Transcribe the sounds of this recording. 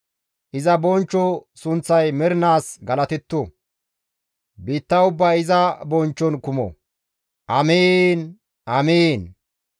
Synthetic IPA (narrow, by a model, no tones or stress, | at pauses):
ʔɪzɐbɔnt͡ʃːɔsʊnt͡sːɐjmɛɾɪnaːsɡɐlɐt̪ɛt̪ːo | biːt̪ːɐʊbːɐːɪzɐbɔnt͡ʃːɔnkʊmɔ̰ | ʔɐmiːn | ʔɐmiːn